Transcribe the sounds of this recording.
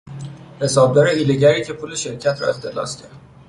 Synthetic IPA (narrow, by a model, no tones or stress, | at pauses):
hesɒːb̚d̪ɒːɾeiːleɟæɾiːcʰe̞pʰuːleʃe̞ɾcʰæt̪ʰɾɒ̰æzt̪ʰelɒ̰ːscʲʰæɾd̪̥